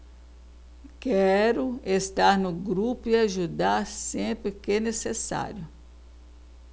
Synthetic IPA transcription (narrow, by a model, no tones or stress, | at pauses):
kɛɾʊest̪aɾnʊɡɾupʊiaʒud̪aɾsẽpɾɪkenesesa̰ɾjʊ